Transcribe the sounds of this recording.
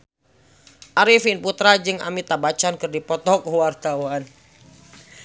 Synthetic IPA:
ʔaɾifinput̪ɾad͡ʒɨŋa̰mit̪abat͡ʃankɨrdipɔt̪ɔkuwart̪awan

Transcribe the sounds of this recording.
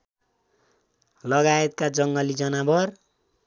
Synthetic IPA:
lʌɡaet̪kad͡zʌŋɡʌlid͡zʌnabʱʌr

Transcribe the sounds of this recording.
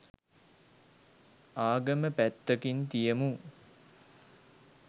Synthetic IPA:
aːɡəməpæt̪ːəkint̪ijəmu

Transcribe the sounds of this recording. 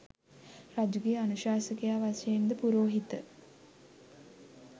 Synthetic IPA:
rad͡ʒuɡijanuʃaːsəkejaːʋasejend̪əpuɾoːɦit̪ə

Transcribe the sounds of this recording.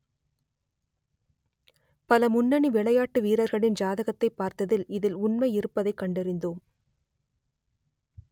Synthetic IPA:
pɐlɐmʊnːɐɳiʋɪɭɐjaːʈːɯʋiːɾɐɾɣɐɭɪnd͡ʒaːðɐɣɐt̪ːɐɪpːaːɾt̪ɐðɪlɪðɪlʊnmɐɪɪɾɯpːɐðɐɪkːɐɳɖɛɾɪnd̪oːm

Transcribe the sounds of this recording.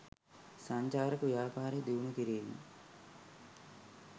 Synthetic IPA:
saɲt͡ʃaːɾəkəʋjaːpaːɾed̪iʋunukiɾeːnɐ̰

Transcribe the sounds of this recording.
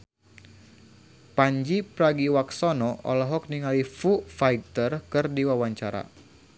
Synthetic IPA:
paɲd͡ʒipɾaɡiwaksɔnɔʔɔ̰lɔɦɔk̚niŋalifufajɡ̚t̪ərkɨrdiwawaɲt͡ʃaɾa̰

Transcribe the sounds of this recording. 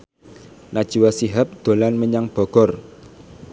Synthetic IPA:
nad̥ʒ̥i̤wasiɦap̚d̪̥o̤lanməɲaŋb̥ɔ̤ɡ̥ɔr

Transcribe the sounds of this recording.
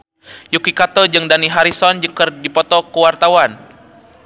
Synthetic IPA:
jukikat̪ɔd͡ʒɨŋdaniɦaɾisɔnd͡ʒɨkərdipɔt̪ɔkəwart̪awan

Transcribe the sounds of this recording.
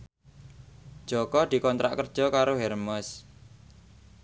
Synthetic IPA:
d̥ʒ̥ɔ̤kɔd̪̥i̤kɔnt̪ɾa̰ʔkərd̥ʒ̥ɔ̤kaɾoɦɛrmɔs

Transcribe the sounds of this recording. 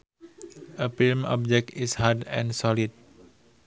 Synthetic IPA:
ʔəfilmɔ̰p̚d͡ʒɛk̚tishadɛ̰̃nsɔlid̚

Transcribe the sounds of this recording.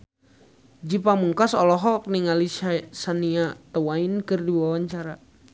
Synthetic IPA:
d͡ʒipamuŋkasɔlɔɦɔk̚niŋalissaniat̪əwainkɨrdiwawaɲt͡ʃaɾa

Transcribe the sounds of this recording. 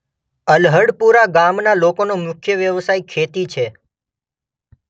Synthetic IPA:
əlɦəɽpuɾaɡamnalokonomʊkʰjəʋjəʋsajkʰet̪it͡ʃʰe

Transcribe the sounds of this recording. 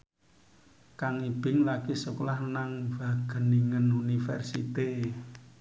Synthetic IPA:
kaŋib̥ɪ̤ŋlakisuklahnaŋv̥a̤ɡ̥əniŋənunifɛ̰rsit̪e

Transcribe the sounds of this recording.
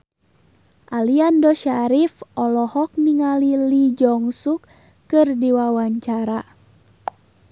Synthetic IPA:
ʔaliandɔʃaɾifʔɔlɔhɔk̚niŋalilid͡ʒɔŋsukː | ɨrdiwawaɲt͡ʃaɾa

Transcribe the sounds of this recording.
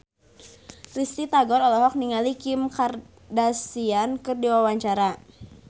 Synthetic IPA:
rist̪it̪aɡɔɾɔlɔɦɔk̚niŋalikɪmkar | dasiankɨrdiwawaɲt͡ʃaɾa

